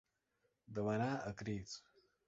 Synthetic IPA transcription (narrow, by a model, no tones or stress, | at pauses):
d̪ɐwɐnaːɐkɾiːt͡s